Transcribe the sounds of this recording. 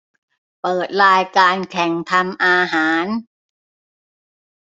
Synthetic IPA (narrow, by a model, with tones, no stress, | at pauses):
pɤː˨˩t̪̚ɾaː˧jkaː˧nkʰɛ˨˩ŋt̪ʰa˧mʔaː˧ɦaː˩˦n